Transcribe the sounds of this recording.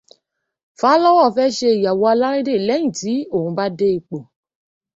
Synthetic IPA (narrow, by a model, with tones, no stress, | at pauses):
faː˨˦lɔ˦wɔ˦˨fɛ˦ʃe˧i˨ja˨wɔ˧a˧la˦ɾe˦de˦˨lɛ˨˦ĩ˦˨ti˨˦o˦˨hũ˧ba˦de˦i˧k͡po˨